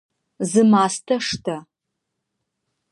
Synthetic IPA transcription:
zɨmaːstʰɐʂtʰɐ

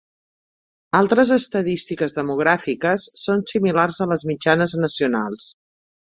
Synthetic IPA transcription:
alˠt̪ɾəzəst̪əðist̪ikəzðəmuɣ̞ɾafikəsːonsimilarzələzmid͡ʒanəznəsiunalˠs

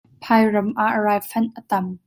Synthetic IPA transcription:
pʰaːjrɐmʔaʔɹaːjfɐnʔət̪ɐm

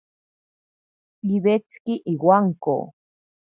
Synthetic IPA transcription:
iβet͡skiʔiwaŋko̰

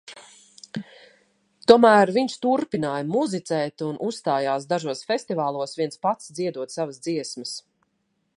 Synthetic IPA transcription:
t̪uɔmæːɾviɲst̪uɾpinaːjmuzit̪sɛːt̪unʔussːt̪aːjaːsd̪aʒuɔsfɛsʲt̪ivaːlˠuɔsviɛnspat̪sd̪ziɛd̪uɔt̪savəsd̪ziɛsməs

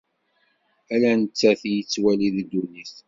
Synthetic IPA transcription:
ælænət͡sːæθjət͡sːwæliðd̪ːuniθ

